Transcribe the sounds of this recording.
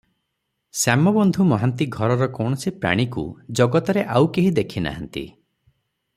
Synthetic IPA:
samɔbɔnd̪ʱumɔɦant̪iɡʱɔɾɔɾɔkɔɽ̃ɔsipɾa̰ɽ̃ikṵd͡ʒɔɡɔt̪ɔɾeʔawkeɦid̪ekʰina̰ɦant̪ḭ

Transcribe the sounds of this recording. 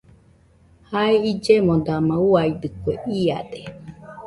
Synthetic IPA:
haeid͡ʒemod̪amãuaid̪ɨkueʔia̰d̪e

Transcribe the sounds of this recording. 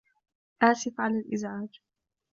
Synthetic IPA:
ʔaːsɪfʕalaːlʔɪzʕaːd͡ʒ

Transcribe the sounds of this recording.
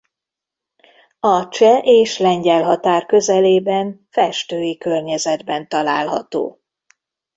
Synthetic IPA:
ɒt͡ʃɛʔeːʃlɛɲɟɛlɦɒt̪aːrkø̞zɛleːbɛnfɛʃt̪øːjikø̞rɲɛzɛd̪bɛnt̪ɒlaːlɦɒ̰t̪o̰ː

